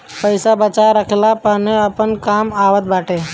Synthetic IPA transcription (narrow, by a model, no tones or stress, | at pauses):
pəɪsabət͡ʃaɾəkʰlapaːneəpənkaːmaːʋət̪̚baːʈeː